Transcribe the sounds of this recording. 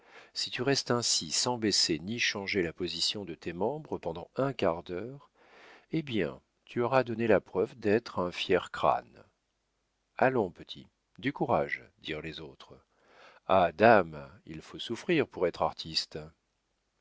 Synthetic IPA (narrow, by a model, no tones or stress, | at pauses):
sit̪yʁɛst̪ɛ̃sisɑ̃beseniʃɑ̃ʒelapɔzisjɔ̃d̪ət̪emɑ̃bʁəpɑ̃d̪ɑ̃ɛ̃kaʁd̪œʁ | ebjɛ̰̃ | t̪ʰyɔʁad̪ɔnelapχœvd̪ɛt̪χɛ̃fjɛʁkχa̰n | alɔ̃pət̪ʰḭ | d̪ykuʁaʒd̪iʁlezot̪χ | ad̪amḭlfosufχiʁpuʁɛt̪χaʁt̪ʰist̪